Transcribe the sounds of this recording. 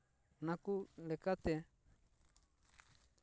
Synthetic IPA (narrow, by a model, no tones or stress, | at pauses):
nakulɛkat̪e